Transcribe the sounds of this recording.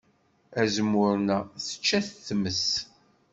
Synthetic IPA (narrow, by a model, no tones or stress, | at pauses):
æzmːʊɾnæθə̥t͡ʃːæθθməs